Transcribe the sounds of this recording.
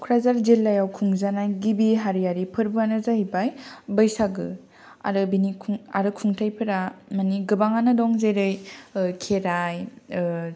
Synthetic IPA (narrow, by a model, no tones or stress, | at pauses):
kʰɾazaɾzelːajawkʰuŋzanajɡibiɦaɾijaɾipʰɯɾbuanɯzaɦibajbəjsaɡɯ̰ | a̰ɾɯbinikʰuŋa̰ɾɯkʰuŋtʰajpʰɯɾamaniɡɯbaŋanɯdɔŋzejɾɯjkʰeɾaj